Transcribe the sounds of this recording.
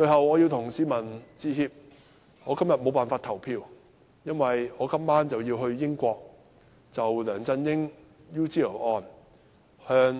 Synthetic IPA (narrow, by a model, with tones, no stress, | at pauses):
t͡ʃɵ˧ɥɦɐ˨wɔː˨˧ji˧wt̪ʰʊ˨˩ŋsiː˨˥mɐ˨˩nt͡siː˧ɦiː˧p̚ | ŋɔː˨˧kɐ˥mjɐ˨t̚mo˨˧wpaː˨nfaː˧t̪ʰɐ˨˩wpʰiː˧w | jɐ˥nwɐ˨jɔː˨˧kɐ˥mːaː˥nt͡sɐ˨wjiː˧wɦɵ˧ɥjɪ˥ŋkʷɔː˧k̚ | t͡sɐ˨wlœː˨˩ŋt͡sɐ˧njɪ˥ŋ | juː˥ti˥ɐ˨˩ʔɔː˨n | hœː˧ŋ